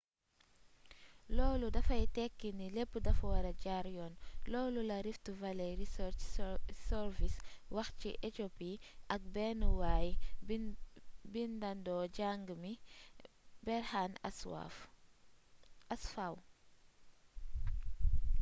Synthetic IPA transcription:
lɔːludɐfɐjtɛkːinilepːədɐfwɐɾɐɟaɾjɔːnlɔːlulɐɾiftuvɐlɛɾiɾt͡ʃsɛɾviswɐxciʔetopiʔɐk̚bɛnuwaːj | bindɐndɔːɟaŋɡmi | bɛɾhaːnswa̰f | ɐsfaw

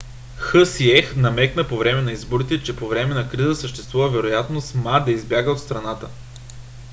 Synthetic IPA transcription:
xɤsiɛxnɐmɛknəpovɾɛmɛnɐizboɾit̪ɛt͡ʃɛpovɾɛmɛnɐkɾizəsəʃt̪ɛst̪vuvəvɛɾojat̪nosmad̪ɐizbjaɡəot̪st̪ɾɐnat̪ə

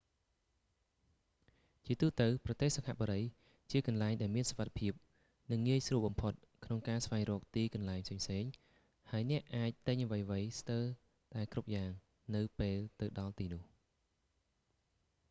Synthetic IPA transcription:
t͡ɕiət̪uːt̪ɨwprɑt̪eːhsakʰa̰ʔɓoɾəj | t͡ɕiəkɑnlaɛŋɗaɛlmiənsoʋat̪ʰḁpʰiəp̚ | nɨŋːiəjsruəlɓɑmpʰot̪̚ | kʰnoŋkaːsʋaɛŋrɔːk̚t̪iːkɑnlaɛɲpʰseːɲpʰseːɲ | haəjnɛ̆əʔʔaːc̚t̪ɨɲʔəʋəjʋəjst̪ɨw | ɗ̪aɛkrup̚jaːŋ | nɨwpeːlt̪ɨwɗɑlt̪iːnʊ̆əh

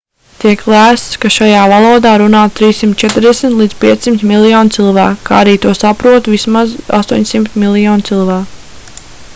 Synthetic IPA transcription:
t̪iɛklˠæːst̪skaʃajaːvalˠuːd̪aːɾunaːt̪t̪ːɾiːsːimt̪̚t͡ʃɛt̪ɾd̪ɛsʲmt̪lˠid̪z̥pʲiɛt̪ssimt̪milˠijɔːnt̪silˠvæːkkːa̰aɾiːt̪uɔsapɾuɔt̪vismaza̰st̪uɔɲʲsimt̪mʲilˠijɔːnt̪silˠvæːk

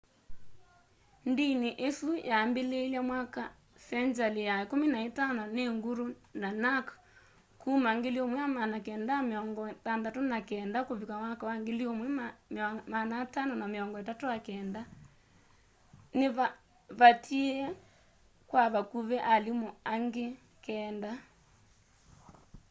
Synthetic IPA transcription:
ndiniʔesujambeleiljamwaka | sɛɲd͡ʒalijaekominaetanɔneŋɡuɾunanak | kʰumaŋɡeliomwɛjamanakɛːndameɔŋɡɔtandatonakɛndakoβikawakawaŋɡeliomwɛ | manatanɔnameɔŋɡɔetatojakɛːnda | neβa | βatʰiɛ | kwaβakuβɛʔalimoaŋɡe | kɛːnda

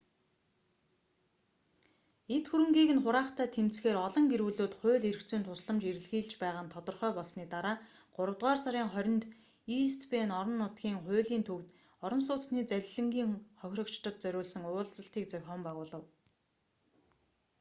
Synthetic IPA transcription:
et̪xuɾɘ̆ŋɡiːɣɘ̆nχʊɾaːχt̪ʰæːt̪ʰemt͡sxeːɾɔɮɞ̆ŋɡeɾuːɮuːt̪χʊ̟ːɮerkt͡suːnt̪ʰʊsɮə̆mt͡ɕiɾɘ̆ɮxiːɮt͡ɕpæːʁaːnt̪ʰɔt̪ɞ̆rχœːpɔɮsniːt̪aɾaː | ɢ̥ʊɾə̆wt̪ʁaːrsaɾʲiːŋχœɾʲɞ̆nt̪ | ist̪peːnɔɾɞ̆nːʊt̪ɡʲiːŋχʊːɮiːnt̪ʰɵwt̪ | ɔɾɞ̆ns̬ʊːt͡sniːt͡sæɮʲɮɘ̆ŋɡʲiːŋχɔxʲrɞ̆kt͡ɕt̪ɞ̆t̪̚t͡sœɾʲʊːɮsə̆ŋʊːɮt͡sə̆ɬt̪iːk̚t͡sœwʲχɔːmpaʁʊːɮə̆w

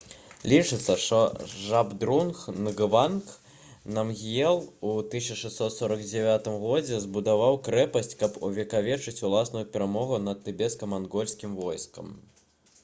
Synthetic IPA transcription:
lʲit͡ʂɨt̪sːɐʂt̪ɔʐabd̪ɾunxnɣɨvank | nɐmɣʲjɛlˠut̪ɨsʲɐʂɛst̪ːɔt̪sɔɾɐɡd͡zʲɛvʲat̪ɨmɣɔd͡zʲɛzbud̪avawkɾɛpɐsʲt͡sʲkɐpuvʲɛkavʲɛt͡ʂɨt͡sʲulˠasnujupʲɛɾamɔɣunɐt̪ːɨbʲɛt̪skɐmanɣɔlʲsʲkʲimvɔjskɐ̰m

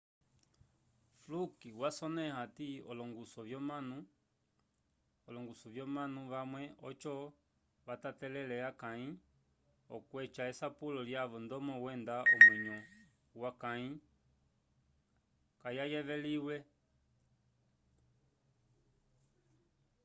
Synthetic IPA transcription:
flukiwasɔnɛhatiɔlɔŋɡusɔvjɔmanu | ɔlɔŋɡusɔvjɔmanuʋamwɛɔt͡ʃɔ | ʋatatɛlɛlɛakai | ɔ̰kwɛt͡ʃaɛsapulɔljaʋɔndɔmɔwɛndaɔmwɛɲɔ | wakai | kajajɛʋɛliwɛ

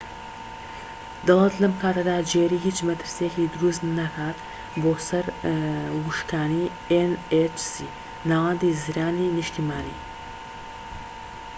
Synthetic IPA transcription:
d̪ɐlˠɐt̪lɐmkʰaːt̪ʰɐd̪aːd͡ʒeːɾiːɦiːt͡ʃmɐt̪ʰɨɾsijekiːd̪uɾust̪nɐkʰaːt̪ | boːsɐɾ | wuʃkaːni | enet͡ʃsi | naːwɐnd̪iːziɾaːniːnɨʃt̪imaːnḭː

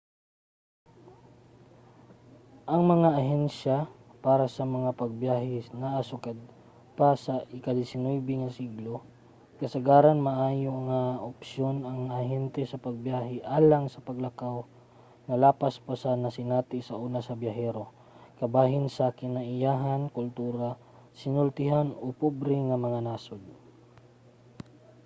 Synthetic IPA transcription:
ʔɐŋmɐŋaʔɐɦɛnʃapaːɾɐsɐmɐŋapɐɡ̚bjaːɦɪnaʔːsʊkad̪̚ | pasɐʔɪkɐd̪ɪsɪnojbɪŋɐsiɡlo | kɐsɐɡaːɾɐnmɐʔaːjoŋaʔʊpsjonɐŋɐhɛnt̪ɛsɐpɐɡ̚bjaːɦɪʔaːlaŋsɐpɐɡlakaw | ŋɐlaːpaspasɐnɐsɪnaːt̪ɪsɐʔuːnasɐbjaɦɛɾo | kɐbaːɦɪnsɐkɪnaʔɪjaːɦankʊlt̪uːɾa | sɪnʊlt̪ɪɦanopubɾɪŋɐmɐŋanaːsʊd̪̚

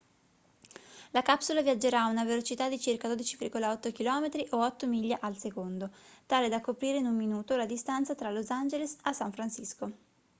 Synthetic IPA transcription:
lakapsulavjad͡ʒeɾaːunavelot͡ʃit̪ad̪it͡ʃirkad̪od̪it͡ʃivirɡolaɔt̪ːokilɔːmet̪ɾiʔoɔt̪ːomiʎːaʔalsekond̪ot̪aːled̪akːopɾiːɾeinumminuːt̪olad̪ist̪ant̪sat̪ɾalozand͡ʒelesasːaɱfɾansisko

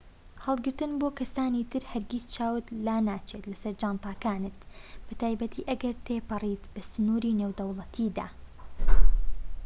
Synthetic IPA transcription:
hɑlˠɡɨɾt̪ɨnboːkɐsaːniːt̪ɨɾhɐɾɡist͡ʃaːwɨt̪laːnaːt͡ʃeːt̪lɐsɐɾd͡ʒaːnt̪ɑːkaːnɨt̪̚b̥ɨt̪aːjbɐt̪ʰiːʔɐɡɐɾt̪ʰeːpɨriːt̪b̥ɐsɨnuːɾiːneːwd̪ɐwlˠɐt̪ʰiːd̪a̰ː

